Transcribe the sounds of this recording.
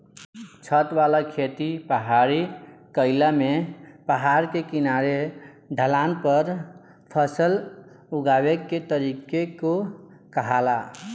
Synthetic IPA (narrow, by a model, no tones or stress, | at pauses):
t͡ʃʰət̪walakʰet̪ipəɦaɾikəɪlamepəɦaɾkekinaɾe | ɖʱəlanpəɾ | pʰəsəl | uɡaweːet̪əɾikeko | kəɦala